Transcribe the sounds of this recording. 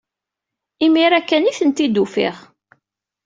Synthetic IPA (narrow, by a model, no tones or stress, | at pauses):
imiɾækːəniθənt̪id̪ufḭʁ